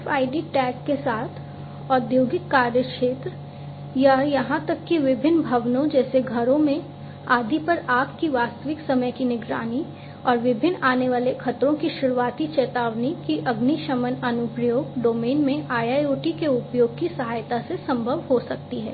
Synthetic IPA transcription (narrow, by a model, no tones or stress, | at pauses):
faːɪɖiʈɛːkːesaːt̪ʰ | ɔːd̪joːɡɪk̪ːaːɾjəkʃeːt̪ɾə | jajɐɦãt̪ɐkːiʋɪbʱɪnːbʱɐʋnõd͡ʒɛːseɡʱɐɾõmẽ | aːd̪ʱipɐɾaːkkiʋaːst̪əʋɪksɐməjkinɪɡɾa̰ːni | ɔːɾʋɪbʱɪnːaːneʋaːlexʰɐt̪ɾõkiʃʊɾuaːt̪it͡ʃɛːt̪aːʋnikiʔɐɡniʃɐmənɐnʊpɾjoːɡ̚ɖoːmeːnmẽʔaːjaːjoːʈikeʊpjoːɡ̚kisɐɦaːjt̪asesɐ̃mbʱəʋɦosɐk̚t̪iɦɛ̰ː